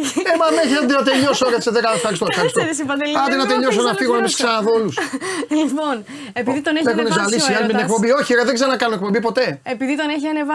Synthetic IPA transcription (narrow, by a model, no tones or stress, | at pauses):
emɐðeneçinɐd̪inɐt̪eʎosoɾeseðekɐfxɐɾist̪ofxɐɾst̪osipɐd̪elɐd̪enɐt̪eʎosonɐfiɣonemissksɐnɐðo̞luslipon | epiðit̪oneexunezɐlisiɐlmet̪inek̚po̞mbio̞çioɾeðeɡzeɾɐnɐkɐnunekpo̞mbipo̞t̪e̞epiðit̪oneçiɐnevɐ